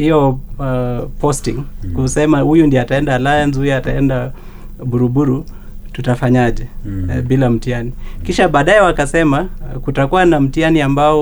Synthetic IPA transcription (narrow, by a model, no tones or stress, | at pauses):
hijɔ | pɔstiŋkusɛmahujundiataɛndalajanzuiataɛnda | ɓuɾuɓuɾu | tutafaɲaʄɛɓilam̩tianikiʃaɓaːɗaɛwakasɛmakutakuwanam̩tianiambaɔ